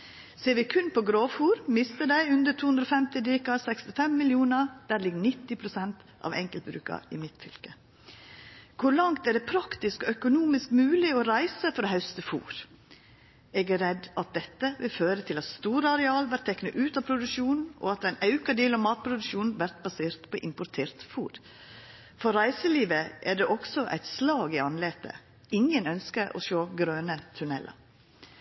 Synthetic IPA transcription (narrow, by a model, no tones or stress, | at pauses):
seːɾʋɪkʰʉnpʰɔɡɾoːfuːɾmɪst̪əd̪æɪʉnd̪ət̪ʰuːhʉnd̪ɾoːfɛmt̪ɪd̪iːkɑsɛkst̪ɪfɛmːɪljuːnəd̪̥æːɾlɪɡːnɪt̪ːɪpʰɾʊsɛnt̪ʔɑ̰ʋɛ̰ŋkəlt̪̚bɾʉ̰ːkɑ̰ɪ̰mɪt̪fʏlkə | kʰʊɾlɑŋt̪æɖɛpʰɾɑkt̪ɪskɔœkʊnuːmɪskmʉːlɪɔɾæɪsəfɔɾɔɦɑʉst̪əfṵːɾ | ɛːɡæɾɛd̪ːɑt̪̚d̪ɛt̪ːəʋɪlføːɾət̪ʰɪlɑt̪st̪uːɾəɑɾɛɑːlʋæɾʈt̪ʰːɛkːnəʔʉːt̪ɑpʰɾʊd̪ʉʃuːnn̩ɔ̰ɑt̪æɪnɑʉkɑd̪iːlɑʋmɑːt̪̚pʰɾʊd̪ʉʃuːnn̩ʋæɾt̪̚bɑseːɾt̪pʰɔʔɪmpʊɾt̪ʰeːɾt̪fuːɾ | fɔɾɾæɪsəliːʋəʔæɖɛʔɔksɔʔæ̰ɪt̪slɑːɡɪɑnleːt̪ʰə̰ | ɪŋənœnskəɾʔɔ̰ʃoːɡɾøːnət̪ʰʉnɛlə̰ɾ